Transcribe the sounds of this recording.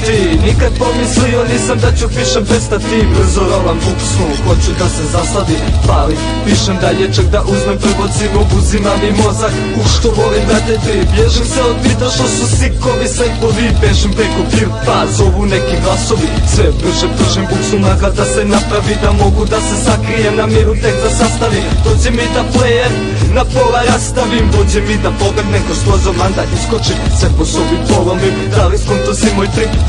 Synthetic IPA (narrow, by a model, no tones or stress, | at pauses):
t̪inikad̪̚pomislioniːsamd̪at͡ɕupiːʃempɾest̪at̪ibr̩zoɾolamkuksnuxot͡ɕud̪asezast̪aʋipali | piʃemd̪aʎet͡ʃak̚d̪aʔuzmempr̩ɡot̪siʋoɡuzimamimo̞zak | uʃt̪oʋo̞limd̪at̪et̪ibjeʒimseod̪pit̪aʃt̪osusikoʋisɛkoʋipeʃempɾekopi | pazobunekiɡlˠaso̞ʋisʋɛɾuʒɛmt̪rʒimbuksunakad̪asenapɾaʋid̪amoɡud̪asesakɾijemnamiɾut̪ek̚d̪asast̪aʋimd̪ot͡ɕɛmid̪aplejeɾ | napolaɾast̪aʋimd̪ot͡ɕɛmid̪apoɡled̪nɛkosozomand̪aʔiskot͡ʃimsɛposobipolˠombi | d̪aliskont̪osimojpɾi